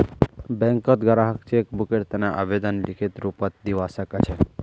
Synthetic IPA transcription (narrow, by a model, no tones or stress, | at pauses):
bɛ̃ŋkət̪ɡʱəɾaɦəkt͡ɕekbukeʈt̪anaʔabed̪anlikʰet̪ɾupat̪̚d̪iʋasakət͡ɕʰɛ